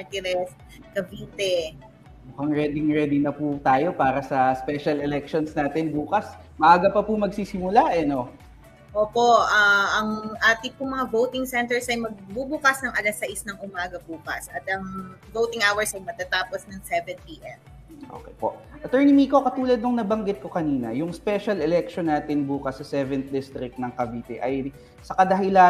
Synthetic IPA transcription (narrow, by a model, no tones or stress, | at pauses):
ɐɹt̪ɪlɛs | kɐbiːt̪ɛ | mʊkɐŋɹɛd̪ɪŋɹɛd̪ɪnɐput̪aːjo̞paːɾɐsɐspɛʃɐlɛlɛk̚ʃonsnaːt̪ɛnbuːkɐs | mɐaːɡɐpɐpʊmɐɡsiːsɪmʊlaʔɛno̞ | ʔoːpo̞ɐɐŋʔaːt̪ɪpʊŋmɐŋavowt̪ɪŋsɛnt̪ɛɹsɐjmɐɡ̚bubʊkɐsnɐŋʔɐlɐsɐʔɪsnɐŋʊmaːɡɐbukɐ̰sɐt̪ɐŋ | vowt̪ɪŋawɛɹsɐjmɐt̪at̪aːposnɐŋsɛvɛnpiʔɛm | ʔo̰ːkɛ̰jpoʔʔɐt̪ɛɹnimiːkokɐt̪uːlɐd̪̚noŋnɐbɐŋɡɪt̪̚ko̞kɐniːnɐjʊŋspɛʃɐlɛlɛk̚ʃonːaːt̪ɪnbuːkɐsːɐsɛvɛnt̪̚d̪ɪst̪ɾɪk̚t̪nɐŋkɐbiːt̪ɛʔɐj | sɐkɐd̪ɐɦɪla